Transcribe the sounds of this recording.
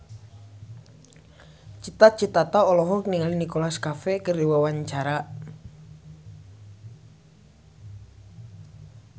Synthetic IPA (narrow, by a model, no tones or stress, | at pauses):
t͡ʃit̪at͡ʃit̪at̪aɔlɔɦɔkəniŋalinikolaskafekəriwawaɲt͡ʃaɾa